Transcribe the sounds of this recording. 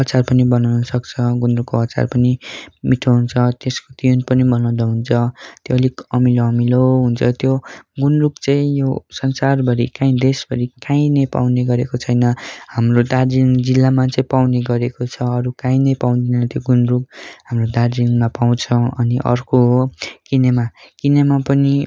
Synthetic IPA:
ʌt͡sarpʌnibʌnawnʌsʌkt͡sʰʌɡunrukkːoɦʌt͡sa̰rpʌnimiʈʰoɦunt͡sʰʌt̪eskot̪iunpʌnibʌnaw̃d̪aɦunt͡sʰʌt̪joːlikʌmiloʌmiloɦunt͡sʰʌt̪joɡunrukt͡sãĩjosʌnsarbʱʌɾikãĩd̪esbʱʌɾikãĩnʌjpa̰wneɡʌɾekot͡sʰʌjnʌhamrod̪ad͡ziŋd͡zilːamat͡saĩpawneɡʌɾekot͡sʰʌʌɾukãĩnʌjpaw̃d̪inenʌt̪joɡunruɡɦamrod̪aɾd͡ziŋmapaw̃t͡sʰʌʌniʔʌ̰rkoɦokinemakinemapʌni

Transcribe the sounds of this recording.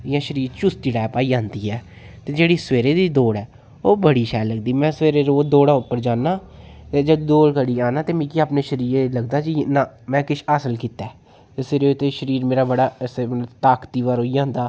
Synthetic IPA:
ɪjãːʃəɾiːɾt͡ʃʊst̪iɽaːpaːiːãːnd̪iːɛː | t̪eːd͡ʒeːɽiːsʋeːɾeːd̪iːd̪oːɽɛː | oːbəɽiːʃɛːləɡd̪iːmɛ̃ːsəʋeːɾeːɾoːd̪oːɽãːʊpːəɾd͡ʒãːnaːt̪eːd͡ʒəd̪d̪oːlkəɽiːaːnãːt̪eːmĩːkiaːpneːʃəɾiːɾeːləɡd̪aːd͡ʒinaː | mɛ̃ːkɪʃʰaːsəlkiːt̪ɛː | t̪eːsɪɾeːt̪ːeːʃəɾiːɾmeːɾaːbəɽaːsmələt̪aːkt̪iːʋaːɾoːiːãːnd̪aː

